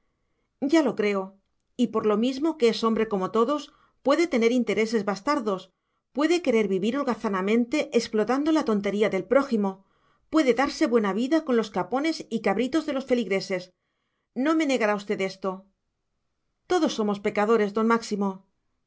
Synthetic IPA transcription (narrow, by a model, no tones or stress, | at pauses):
ɟ͡ʝalo̞kɾe̞o̞ | ipo̞ɾlo̞mizmo̞keeso̞mbɾe̞ko̞mo̞t̪o̞ðo̞s | pwe̞ðe̞t̪e̞ne̞ɾint̪e̞ɾe̞se̞zβast̪aɾðo̞s | pwe̞ðe̞ke̞ɾe̞ɾβiβiɾolɣaθanamẽ̞nt̪e̞ʔeksplo̞t̪and̪o̞lat̪o̞nt̪e̞ɾiaðe̞lpɾo̞ximo̞ | pwe̞ðe̞ðaɾse̞βwe̞naβiðako̞nlo̞skapo̞ne̞sikaβɾit̪o̞zðe̞lo̞sfe̞liɣɾe̞se̞s | no̞me̞ne̞ɣaɾaust̪e̞ðe̞st̪o̞ | t̪o̞ðo̞sːo̞mo̞spe̞kaðo̞ɾe̞zðo̞nmaksimo̞